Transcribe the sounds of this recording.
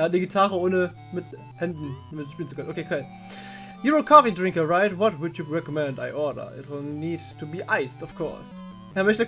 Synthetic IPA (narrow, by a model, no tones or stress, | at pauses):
ɛat̚neɡitʰaːʁəoːnə | mɪt | hɛndn̩mɪʃpiːlən̩t͡sukʰœnʔokʰeːkʰal | juwɪlˠkʰɔfidɹɪ̃ŋkəɹaɪtwɔtwʊdjuɹɛkɔmɛ̃nda̰ɪʔɔːdə̰˞ɛ̰təniːdtʰubiːʔaɪstɔfkʰɔ̰ɹs | hɛmɛçtə